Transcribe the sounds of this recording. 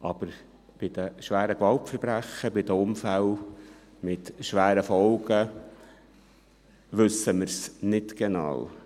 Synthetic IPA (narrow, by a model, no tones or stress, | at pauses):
ʔɑb̥əɾ | b̥ɪd̪əʃʋæːɾəkʋɑltfəɾbɾæxəbɪd̪əʊmfæl | mɪtʃʋæːɾəfɔʊɡə | ʋɵsəməɾsnɪtɡ̥ɛnɑ̰ːw